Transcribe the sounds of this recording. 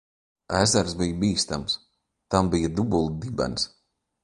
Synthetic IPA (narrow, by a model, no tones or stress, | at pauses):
æːzaɾsbijbiːst̪ams | t̪ambijad̪ubulˠd̪ibɛ̰ns